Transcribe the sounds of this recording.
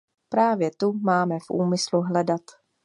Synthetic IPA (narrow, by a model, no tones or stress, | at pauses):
pɾaːvjɛt̪umaːmɛfʔuːmɪsluɦlɛdat̪